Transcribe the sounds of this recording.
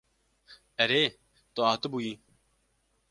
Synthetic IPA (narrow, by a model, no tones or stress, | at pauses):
əɾeː | t̪oaːt̪obuĩː